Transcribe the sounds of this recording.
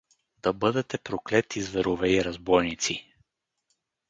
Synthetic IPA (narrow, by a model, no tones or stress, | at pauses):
d̪ɐbɤd̪ɛt̪ɛpɾoklɛt̪izvɛɾovɛiɾɐzbɔjnit̪si